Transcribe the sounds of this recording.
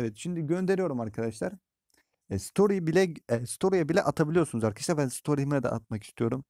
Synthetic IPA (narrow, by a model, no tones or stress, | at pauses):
evɛt̪ʃimd̪iɟø̞nd̪e̞ɾijo̞ɾumaɾkʰad̪aʃlˠaɾ | ɛst̪ʰo̞ɾibilʲɛɛst̪ʰo̞ɾijabilʲɛ̰ʔat̪ʰabilʲˠijosunuzaɾkʰaaʃlabænsi̥t̪ʰo̞ɾimɛd̪a̰a̰t̪̚maki̥st̪ʰijo̞ɾum